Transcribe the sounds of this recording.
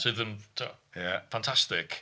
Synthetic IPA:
sɪðə̃mtʰuajafãntʰastɪk

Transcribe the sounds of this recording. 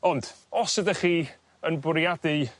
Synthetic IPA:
ɔnd̥ɔsədəχiː | ənbʊɾjadi

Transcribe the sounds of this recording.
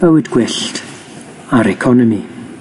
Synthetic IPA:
vɛwɨdɡ̥wɪɬt | aɾɛkʰɔnəmi

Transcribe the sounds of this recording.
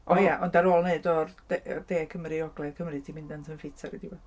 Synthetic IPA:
ʔɔjaʔɔndaɾoːlˠneðdɔrd̥d̥eːkʰəmɾiɔɡlˠɛðkʰəmrɨtʰimɪndantʰənfɪtʰaɾidiwɔ

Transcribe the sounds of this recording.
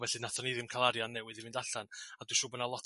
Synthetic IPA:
vɛɬɨnaθɔniðɪmkʰalˠaɾjanːɛwɨðivɪndaɬanadwʃʊːbənalˠɔtʰ

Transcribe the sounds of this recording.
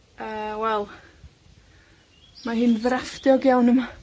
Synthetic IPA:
əːwɛlˠ | maɦɨnvrafdjɔɡjawnəma

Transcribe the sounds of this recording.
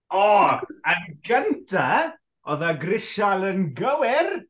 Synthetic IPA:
ɔːənɡəntʰa | ɔðaɡrɪʃalˠənɡəwɪr

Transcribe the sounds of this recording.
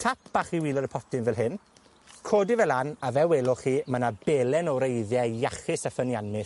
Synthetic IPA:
tʰap̚ʰb̥aχiwiːlˠɔɾəpʰɔtɪnvɛlˠɦɪn | kʰoːdivɛlˠanavɛwɛlˠʊχiːmanabɛlɛnɔwɾejðjɛjaχɪsafənjanmɪs

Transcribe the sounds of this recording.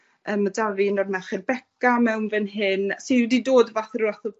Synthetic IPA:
əːmːadaviənɔdmɛχɛrbɛkamɛwnvɛnɦɪnsididoːdvaθruaθə

